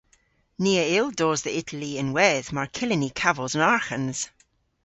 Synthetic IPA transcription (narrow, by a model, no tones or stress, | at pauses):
niːəɪlˠdoːzðiɪtʰəliə̃nwɛðmaɹkʰɪlɪnikʰavəlˠzə̃naɹxə̃nz̥